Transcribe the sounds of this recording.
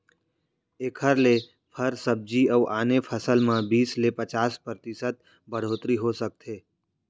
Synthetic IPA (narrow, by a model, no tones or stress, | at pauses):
ekʰəɾle | pʰəɾsəb̚d͡ʒiəʋʔaːnepʰəsəlmãbiːslepət͡ʃaːspɾət̪ɪsət̪̚ | bʱəɽ̤ot̪ɾiɦosək̚t̪ʰeː